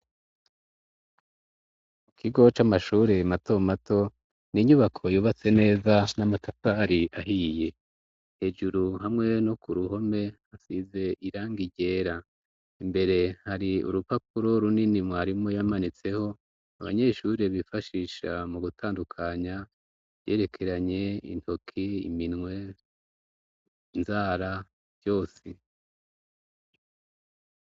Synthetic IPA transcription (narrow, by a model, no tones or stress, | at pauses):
kʰiɡo̞t͡ʃamaʃuɾe̞mato̞mato̞ | niɲuβakʰo̞juːβat͡se̞ne̞ːzanamatʰataɾiʔaɦije̞ | he̞ːd͡ʒuɾuɦamŋe̞no̞kuɾuɦo̞me̞ | asize̞ʔiɾaːŋɡiɟe̞ːɾa | imbe̞ɾe̞haɾiṵɾupakuɾo̞ɾuninimŋwaːɾimo̞jamanit͡se̞ho̞ | a̰βa̰ɲe̞ʃuɾeβifaʃiʃamuɡutʰaːndukʰaɲḁ | je̞ːɾe̞kʰe̞ɾaɲe̞ḭntʰo̞kʰiḭminŋwe̞ | nzaːɾḁ | jo̞ːsi